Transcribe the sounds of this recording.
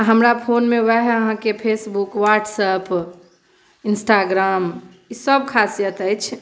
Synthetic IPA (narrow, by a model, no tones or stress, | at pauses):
ɦəmɾapʰonmeaɦeəɦãkepʰesbukʋaʈsəp | insʈaɡɾam | isəbkʰasijət̪əjt͡ʃʰ